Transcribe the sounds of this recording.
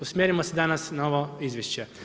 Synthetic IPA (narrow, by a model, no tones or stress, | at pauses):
usmjeɾimosed̪anasnaoʋoizʋʲjeʃt͡ɕe